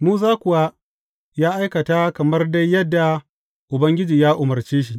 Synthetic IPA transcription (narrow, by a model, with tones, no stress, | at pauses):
muː˦zaː˦kʷʊ˨wa˦ | jaː˦ʔa˦jkɐ˨ta˦kɐ˨mɐ˦rda˦jːɐ˦dːa˨ | ʔʊ˨bɐ˦ŋɡʲɪ˦d͡ʒiː˨jaː˦ʔʊ˨mɐ˨rt͡ʃeː˦ʃ̬i˦ʔ